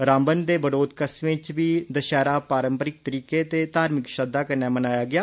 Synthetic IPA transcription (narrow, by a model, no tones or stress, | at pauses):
ɾãːmbənd̪eːbəɽoːd̪kəsmẽt͡ʃʋiːd̪əʃɛːɾaːpaːɾəmpəɾɪk̚t̪əɾiːkeːt̪eːt̪aːɾmɪkʃəd̪ːaːkəɾnɛːmənaːjaːɡɪjaː